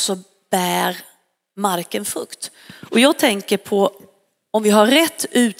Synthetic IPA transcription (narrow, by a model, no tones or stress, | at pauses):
sɔ | b̥æːɾ | maɾkənfɵkt̪ | ʔɔjɑːɡ̚t̪ʰɛŋkəɾpʰɔ | ɔmvɪɦaɾɾɛt̪ʰːʉ̟ː